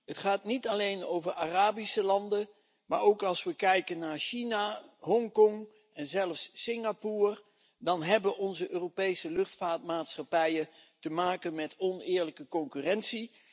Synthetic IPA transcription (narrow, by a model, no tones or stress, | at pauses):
ɦətχaːtnitɑlejnowvəɹaːraːbisəlɑndə | maːɹowkɑlˠsʋəkɛjkənːaːɹʃinaɦɔŋkɔŋ | ʔɛnzɛlfsːɪŋapuːr | dɑnɦɛbəʔɔnzəʔøːropejsəlɵχtfaːɹt̚maːtsχɑpɛjətəmaːkənmɛtɔnɪːɹləkəkɔŋkyːrɛnsi